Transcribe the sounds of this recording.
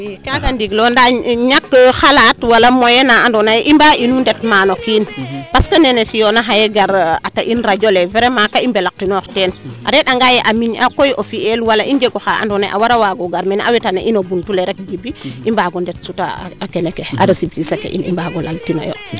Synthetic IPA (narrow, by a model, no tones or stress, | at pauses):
kaɡandiɡlondaɲakːxalatwalamojenaandonajʔimbaʔinundetmanokinpaskanenefijonaɦajeɡaɾataʔinɾaɟoleveɾemakaimbelakːinoxtenʔa̰ɾeɗaŋɡajeʔamiɲakojʔofielwalaʔind͡ʒeɡoxaa̰ndonajʔa̰waɾawaɡoɡaɾmena̰wetanḛʔinobuntuleɾek̚ɡibiimbaɡondetsuta̰akenekea̰dasibkisekḛʔḭnḭmbaɡola̰ltina̰jo̰